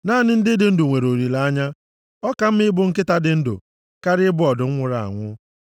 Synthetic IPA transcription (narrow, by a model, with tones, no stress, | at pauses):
naː˦˨nɪ˦n̩˦dɪ˦dɪ˦n̩˦dʊ˨ŋʷe˨ɾo˨ɾi˨la˨a˦ɲa˦ | ɔ˦ka˨m̩˦mɪ˦bʊ˦ŋ̩˦kɪ˦ta˦dɪ˨n̩˦dʊ̰˨ | ka˦ɾɪ˦bʊ˦ɔ˨dʊ˨ŋ̩˦ŋʷʊ˨ɾa̰˨a̰˨ŋʷʊ˦